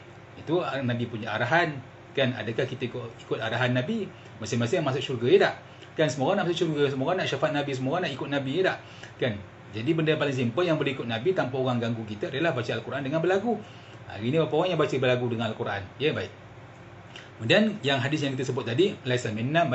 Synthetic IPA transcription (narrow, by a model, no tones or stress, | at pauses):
it̪unabipuɲaʔaɾaɦan | kana̰dakahkit̪aikikʊt̪̚aɾaɦanːabi | masɪŋmasɪŋʔmas̬ʊʔʃurɡajədaʔ | kansəmoɣanaʔmasʊʔʃurɡas̬əmoɣanaʔʃafat̪̚nabis̬əmoɣanaʔikʊt̪̚nabijedaʔ | kan | d͡ʒadibəndaapalɪŋs̬impəjaŋbəluikʊt̪̚nabit̪ampaoɣaŋɡaŋɡukit̪aadəlahbat͡ʃəalkuɾaʔandəŋanbərlaɡu | a̰ɾinibapaoɣaŋjaŋbat͡ʃəbərlaɡudəŋanalkuɾaʔa̰njəbaɪk̚ | kkəmundianjaŋɦadɪs̬jãŋkit̪asəbʊt̪̚ːadilaisamena